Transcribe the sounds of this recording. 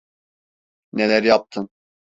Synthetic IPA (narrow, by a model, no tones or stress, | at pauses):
nelʲæɾjap̚t̪ʰɯn